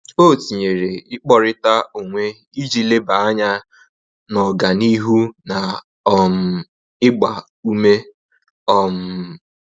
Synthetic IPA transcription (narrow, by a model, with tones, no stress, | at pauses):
o˦˨ti˨ɲe˨ɾe˨ɪ˦k͡pɔ˦ɾɪ˦ta˦o˨ŋʷe˦ | i˦d͡ʒi˦le˦ba˨a˦ɲa˦ | nɔ˨ɡa˨ni˦ɦu˦na˨˦ | m̩˨ | ɪ˦ɡ͡ba˨ | u˦me˦ | ɔ˦˨m̩˨